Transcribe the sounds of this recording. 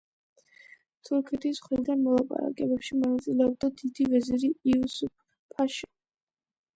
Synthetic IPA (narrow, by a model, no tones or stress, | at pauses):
t̪ʰuɾkʰɛt̪ʰisχɾild̪anmɔlˠapʼa̰ɾa̰kʼɛbɛpʃimɔnat̪sʼilɛɔb̚d̪ad̪id̪ivɛziɾiiusup̚ʰ | pʰaʃi